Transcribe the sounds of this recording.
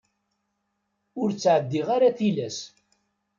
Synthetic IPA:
ʊɾt͡sːʕəd̪ːiʁaɾaθilæs

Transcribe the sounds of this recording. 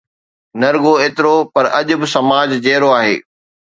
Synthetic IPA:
nɐɾɡoeːt̪ɪɾopɐɾɐʄʊ̆bɪsɐmaːd͡ʑd͡ʑeːɾoaːɦḛː

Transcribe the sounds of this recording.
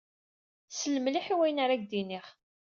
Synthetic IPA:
sələmliħiwæjnaɾæɡ̚d̪iniχ

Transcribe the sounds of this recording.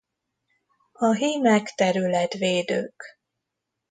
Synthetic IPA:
ɒɦiːmɛkt̪ɛɾylɛt̪ʋeːd̪ø̰ːk

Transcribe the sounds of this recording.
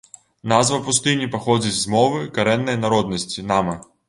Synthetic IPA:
nazvɐpust̪ɨnʲipaxɔd͡zʲit͡sʲzmɔvɨkaɾɛnːɐjnaɾɔd̪̚nɐsʲt͡sʲinamɐ

